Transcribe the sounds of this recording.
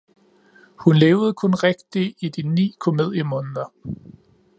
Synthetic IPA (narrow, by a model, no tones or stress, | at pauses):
hunleːʊð̞̩ˠkʰɔ̽nʁɛɡ̥̚d̥iʔid̥inḭːkʰo̝me̝ð̞̰ˠjəmɔ̽ːnðˠɐ